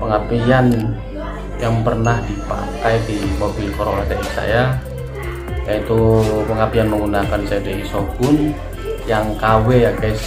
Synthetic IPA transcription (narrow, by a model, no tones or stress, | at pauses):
pəŋapian | jaŋpərnahdipa̰t̪ajpimobilkɔɾo̰ladaʔisa̰ja | jait̪upəŋapianməŋɡunakansadeisoɡʊn | jaŋkawɛake